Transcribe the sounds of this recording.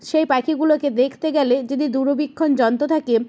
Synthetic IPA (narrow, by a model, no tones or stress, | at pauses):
ʃejpakʰiɡuloked̪ekʰt̪eɡɛled͡ʑod̪id̪uɾobikʰːond͡ʑɔnt̪ot̪ʰake